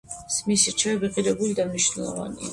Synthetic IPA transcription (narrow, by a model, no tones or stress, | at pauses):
smisiɾt͡ʃʰɛɛbiqʼiɾɛbulid̪amniʃnɛlˠɔ̰va̰nḭa